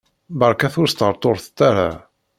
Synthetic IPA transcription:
bəɾˤkæθʊɾst̪əɾˤt̪ˤoɾθt̪ːaɾa̰

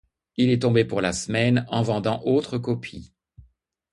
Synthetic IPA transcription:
ilɛt̪ɔ̃bepuʁlasmɛnɑ̃vɑ̃d̪ɑ̃ʔot̪χəkɔpʰi

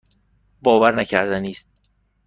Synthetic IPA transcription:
bɒːvæɾnæcʰæɾd̪æniːst̪

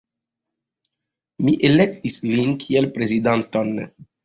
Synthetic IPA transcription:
miʔelɛk̚t̪islinkʰielpɾezid̪ant̪ɔnːe

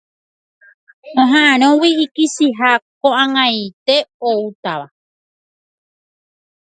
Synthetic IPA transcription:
õɦãʔãɾ̃õwiːkisiɦakoʔãŋãjt̪e̞out̪aʋa

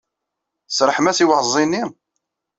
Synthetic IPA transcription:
sɾˤəħmæsiwəhzˤinːi

